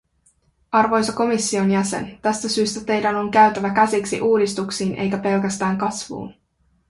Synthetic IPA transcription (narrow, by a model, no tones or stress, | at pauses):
ɑrʋo̞jsɑko̞misːio̞njæse̞̰nt̪æst̪æsyːst̪æt̪e̞jdæno̞ŋkæɥt̪ænækæsiksḭʔuːdist̪uksiːnʔe̞̰jkæpe̞lkæst̪æːŋkɑsʋṵːn